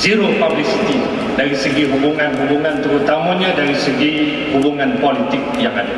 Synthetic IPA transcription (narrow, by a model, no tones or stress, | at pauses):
ziɾopablisit̪i | daɾisəɡiɦubuŋãnɦubuŋãnt̪əɾut̪amãɲãdaɾisəɡi | hubuŋãnpolit̪ɪk̚jaŋada